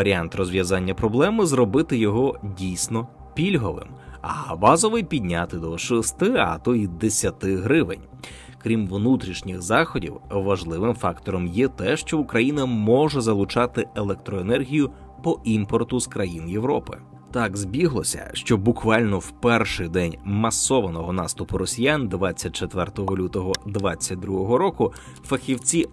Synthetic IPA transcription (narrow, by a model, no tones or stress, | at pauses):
ɐɾʲiant̪rɔzʋjɐzɑnʲːɐpɾɔblˠɛmɪzrɔbɪt̪ɪjɔɦɔdʲijsʲnɔ | pʲilʲɦɔʋɪ̰mɐ̰bɑzɔʋɪjpʲidʲnʲat̪ɪd̪ɔʃɔst̪ɪɐ̰t̪ɔid̪esʲɐt̪ɪɦɾɪʋɪ̰nʲ | kɾʲimʋnut̪ɾʲiʃnʲɪxzɑxɔdʲḭwʋɐʒlˠɪʋɪmfɑkt̪ɔɾɔmjɛt̪ɛʃt͡ʃɔʊkɾɐjinɐmɔʒɛzɐlˠʊt͡ʃɑt̪ɪelˠɛk̚t̪ɾɔenɛrɦʲijʊ | pɔʔimpɔrt̪ʊzkɾɐjinjeʋɾɔpɪ̰ | t̪ɑɡzbʲiɦlˠɔsʲɐ̰ʃt͡ʃɔbʊkʋɑlʲnɔwpɛrʃɪjd̪ɛnʲmɐsɔʋɐnɔɦɔnɑst̪ʊpʊɾɔsʲijand̪ʋɑt͡sʲːɐt̚ʲt͡ʃet̪ʋɛrt̪ɔɦɔlʲut̪ɔɦɔd̪ʋɑt͡sʲːɐt̚ʲd̪ɾuɦɔɦɔɾɔkʊ | fɐxʲiwt͡sʲi